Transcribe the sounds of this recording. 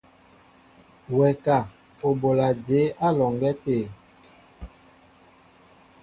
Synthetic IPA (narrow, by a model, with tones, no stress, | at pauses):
wɛ˨ka˨ | o˨bo˨la˨d͡ʒe˨˦ʔa˦lɔ˨ŋɡɛ˦teː˦˨